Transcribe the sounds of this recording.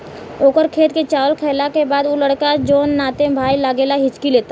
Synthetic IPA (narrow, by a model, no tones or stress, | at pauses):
oːkəɾkʰeːt̪ket͡ʃaːwəlkʰɛːlakebaːd̪uləɽkad͡ʒoːnːaːt̪ẽbʱaːilaːɡeːlaɦɪt͡ʃkileːt̪a